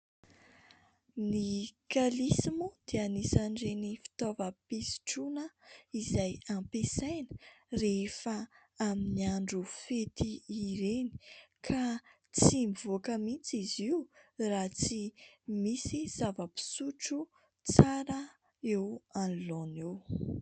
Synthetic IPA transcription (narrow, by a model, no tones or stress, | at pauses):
nikalisimud̪̥eənisaɳɖ͡ʐenifi̥t̪ovəpisi̥ʈ͡ʂunəizajãmpesajnə̥refə | aminiaɳɖ͡ʐufet̪iːɾeni̥kʰa | t͡simivokəmit͡siziurat͡simisiz̥avəpi̥suʈ͡ʂu | t͡saɾə | ewanlonew